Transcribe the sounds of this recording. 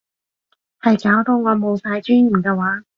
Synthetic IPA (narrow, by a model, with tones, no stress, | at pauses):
hɐ˨jkaː˨˥wt̪o˧wŋɔː˨˧mo˨˧wsaː˧jt͡ʃyː˥n̩ː˨˩kɛː˧waː˨˥